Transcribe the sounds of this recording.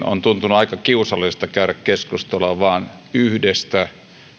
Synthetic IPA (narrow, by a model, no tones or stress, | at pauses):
o̰nt̪unt̪unuɑikɑkiusɑlːˑisest̪ɑkæˑyɾækkeskust̪olɑʋɑːnyhdest̪æ